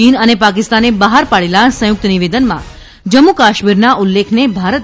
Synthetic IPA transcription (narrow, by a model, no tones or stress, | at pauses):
inənepak̬ɪst̪anebəɦaɾpaɭelasə̃jʊk̚t̪əniʋed̪ənmã̰ | d͡ʒəmːukaʃmiɾnaʔulːekʰnebʱaɾət̪